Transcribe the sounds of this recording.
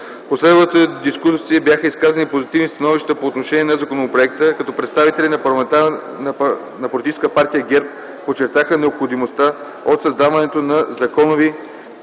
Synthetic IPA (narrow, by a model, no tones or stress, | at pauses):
poslɛd̪vət̪əd̪iskusiəbjaxəiskazənipozit̪ivnist̪ɐnɔviʃt̪əpoːt̪noʃɛniɛnɐzɐkonopɾoɛk̚t̪əkɐt̪ɔpɾɛt̪st̪avit̪ɛlʲinɐt̪a | nɐpolit̪it͡ʃɛskəpaɾt̪ijəɡɛɾp̚ | pot͡ʃɛɾt̪axənɛopxod̪imost̪a | ot̪sɐzd̪avɐnɛt̪onɐzɐkɔnovi